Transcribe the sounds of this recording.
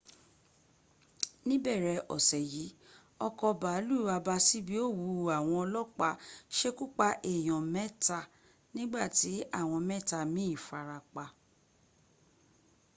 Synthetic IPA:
nĩ˦bɛ˦˨ɾɛ˧ʔɔ̰˨sɛ˨ji˨˦ | ɔ˧kɔ˧ba˨˦lu˦˨a˧ba˧si˦bi˦o˦˨wu˨˧a˨w̃ɔ̃˧ɔ˧lɔ˦k͡pa˧ʃe˦ku˦k͡pa˦ʔe˨j̃ɔ̃˨mɛ˦ta˧˨ | nĩ˦ɡ͡ba˦˨ti˨˦a˦˨w̃ɔ̃˧mɛ˦ta˧mĩ˨˦i˦˨fa˨˧ɾa˧k͡pa˧

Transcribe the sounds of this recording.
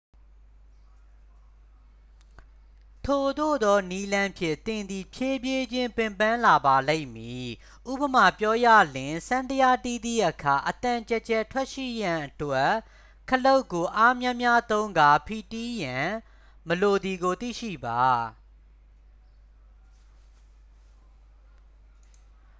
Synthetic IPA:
tʰo˨d̪o̰˦˨d̪ɔ˦ni˦lã˦pʰjɪ̰̃˦˨t̪ɪ̃˨nd̪ðḭ˦˨pʰje˦bje˦d͡ʑɪ̃˦mpɪ̃˨mpã˦la˨ba˨lẽ˦ɪmji˨ | ʔu˦bə˨ma˨pjɔ˦jä̰˦˨lɪ̃˨sã˦nt̪əja˦t̪i˦˨d̪ḭ˦˨ʔəkʰa˨ʔət̪ã˨t͡ɕɛ˦˨t͡ɕɛ˦tʰwɛ˦ʔʃḭ˦˨jã˨ʔətwɛ˦ | kʰəlo˦ʊkːo˨ʔa˦mjã˦mja˦t̪õ˦ʊ̃ŋɡa˨pʰi˨ti˦jã˨ | məlo˨d̪i˨ɡo˨t̪ḭ˦˨ʃḭ˦˨ba˨

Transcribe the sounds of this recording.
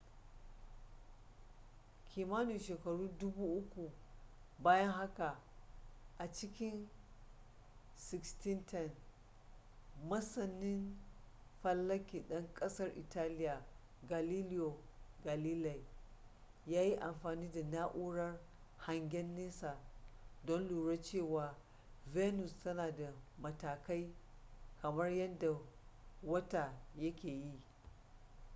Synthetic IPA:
kʲʰi˨maː˦nu˨ʃeː˨kɐ˨ɽuː˦dʊ˦buː˦ʔʊ˦kʷu˨baː˦jɐ˦ŋɦa˦ka˨ | ʔa˨t͡ʃɪ˦kʲɪ˦n | sɪ˦˨ksti˦ntʰɛ˦n | mɐ˦sɐ˨nːɪ˦n | ɸɐ˦lːɐ˦kʲiː˨ɗɐ˦ŋkʼɐ˦sɐ˦rʔɪ̰˨taː˦lɪ˦ja˨ | ɡa˨liː˦lɪ˦jo˨ | ɡa˨liː˦la˨j | jaː˦ji˦ʔa˨mɸaː˨niː˦da˨naː˦ʔuː˦ɽɐ˦r | ha˨ŋɡʲɛ˦nːi˦sa˨dɔ˦nluː˨ɽɐ˦t͡ʃeː˦˨waː˨ | ve˦nʊ˨stɐ˦naː˨da˨mɐ˨taː˨ka˦j | kɐ˨mɐ˦rjɐ˦nda˨wɐ˦ta˨jɐ˦kʲeː˨ji˦ʔ

